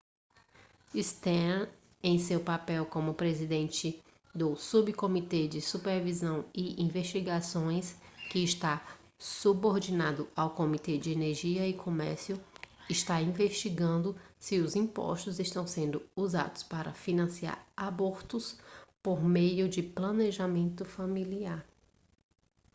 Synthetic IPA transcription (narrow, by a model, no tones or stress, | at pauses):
ist̪ɛ | ẽj̃sewpapɛwkõmʊpɾezid̪ẽnt͡ʃɪ | d̪ʊsubkomit̪ed͡ʒɪsupeɾvizɐ̃w̃ɪĩveʃt͡ʃiɡasõj̃skɪːʃt̪a | suboɾd͡ʒinad̪ʊawkõmit̪ed͡ʒɪeneɾʒiɐɪkʰomɛɾsjʊɪʃt̪aĩveʃt͡ʃiɡɐ̃nd̪ʊsɪʊzĩpɔ̰ʃt̪ʊzɪʃt̪ɐ̃w̃sẽnd̪ʊuza̰d̪ʊspaɾɐfinɐ̃sia̰ɾaboɾt̪ʊspoɾmejʊd͡ʒɪplɐ̃neʒamẽnt̪ʊfamiliaɾ